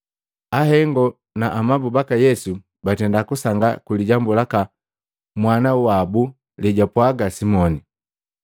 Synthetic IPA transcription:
aɦɛŋɡɔ | naʔːmabubakajɛsu | batɛndakusaŋɡa̰kuliɟambulaka | mwanawwabu | liɟapwaɡasimɔni

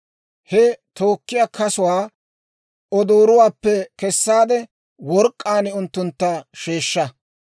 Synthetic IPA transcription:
hɛt̪o̞ːkːɪjaːkʰɐsʊwaː | ɔd̪oːɾʊwaːpːɛkɛsːaːd̪ɛ | wɔɾkʼːaːnɪʊnt̪ːʊnt̪ːɐʃeːʃːɐ

